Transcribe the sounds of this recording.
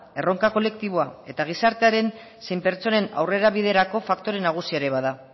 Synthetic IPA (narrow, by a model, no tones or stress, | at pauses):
e̞ro̞ŋkako̞le̞kt̪iβ̞oae̞t̪aɣ̞isaɾt̪e̞aɾe̞n | sejmpe̞ɾt͡so̞ne̞na̰wre̞ɾaβ̞ið̞e̞ɾako̞fakt̪o̞ɾe̞naɣ̞usiaɾeβaða